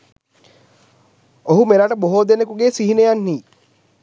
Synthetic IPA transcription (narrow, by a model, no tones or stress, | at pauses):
oɦumeɾaʈəboɦoːd̪enekuɡeːsiɦinejanːiː